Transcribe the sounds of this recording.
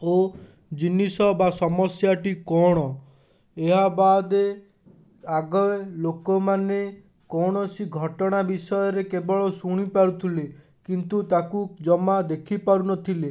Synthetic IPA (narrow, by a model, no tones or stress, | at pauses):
o | d͡ʒinːisɔbasɔmɔsjaʈikɔɽ̃ɔ | eɦabad̪e | aɡɔlokɔmane | kɔɽ̃ɔsiɡʱɔʈɔɽ̃abisɔjɔɾekebɔɭɔsuɽ̃ipaɾut̪ʰile | kint̪ut̪akud͡ʒɔmad̪ekʰipaɾunɔt̪ʰile